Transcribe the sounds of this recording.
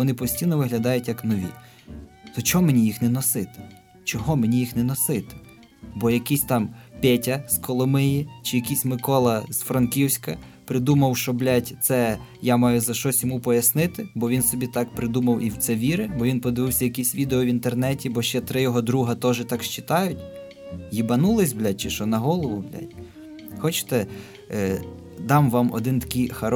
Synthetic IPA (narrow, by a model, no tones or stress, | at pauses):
ɔnɪpɔsʲtʲijnɔʋɪɦlʲɐd̪ɑjʊtʲjɐknɔʋʲḭ | t̪ɔt͡ʃɔmenʲijixnɛnɔsɪt̪ɪ̥ | t͡ʃɔɦɔmenʲijixnɛnɔsɪt̪ɪ̥ | bɔjɐkisʲt̪ɑmpʲɛtʲɐskɔlˠɔmɪjit͡ʃɪjɐkʲisʲmɪkɔlˠɐzfɾɐnkʲiwsʲkɐ | pɾɪd̪umɐwʃɔblʲatʲt̪sɛ | jamɑjʊzɐʃt͡ʃɔsʲjɔmupɔjɐsnɪt̪ɪbɔʋʲinsɔbʲit̪ɑkpɾɪd̪umɐwʔiwt̪sɛʋʲiɾɪbɔʋinpɔd̪ɪʋɪwsʲɐjɐkisʲʋʲid̪eɔʋʲint̪ernɛtʲibɔʃt͡ʃɛt̪ɾɪjɔɦɔd̪ɾuɦɐt̪ɔʒɪt̪ɑkʃt͡ʃɪ̥t̪ɑjʊtʲ | jibɐnulˠɪsʲblʲat̚ʲt͡ʃɪʃɔnɐɦɔlˠɔʋʊblʲa̰tʲ | xɔt͡ʃɪ̥t̪ɛ | d̪ɑmʋɑmɔ̰d̪ɪnt̪ɐ̥kɪjxɐɾ